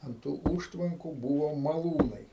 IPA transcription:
ɐnt ˈtuː ˈuːʃtʋɐŋkʊ ˈbuːʋoː mɐˈlˠuːnɐɪ

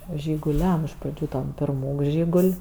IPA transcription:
ʒʲɪɡʊˈlʲɛm ɪʃ prɐˈd͡ʒʲuː ˈtɐm pʲɪrˈmuːk ˈʒʲiːɡʊlʲ

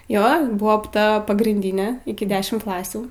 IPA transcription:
ˈjoː ˈbʊʋoː ˈptɐ pɐɡrʲiːnʲˈdʲɪnʲeː ɪkʲɪ ˈdʲæːʃʲɪm ˈklˠɑːsʲuː

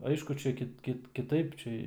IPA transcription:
ˈɐɪʃkʊ ˈt͡ʃʲɛ kʲɪt ˈkʲɪt kʲɪˈtɐɪp ˈt͡ʃʲɛ

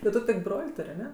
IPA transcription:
tʲɪ ˈtʊ tʲɪk ˈbroːlʲ ˈtʊrʲ ɐˈnʲɛ

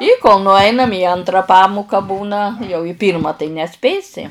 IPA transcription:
ɪ koːlˠ nʊˈɐɪnɐm iː ˈɐntrɐ ˈpɑːmʊkɐ ˈbuːnɐ jɛʊ ɪ ˈpʲiːrmɐ tɐɪ nʲɛˈsʲpʲeːsʲɪ

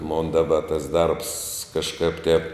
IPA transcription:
moːn dɐˈbɐ tɐs ˈdɐrps kɐʃˈkɐp tʲɛp

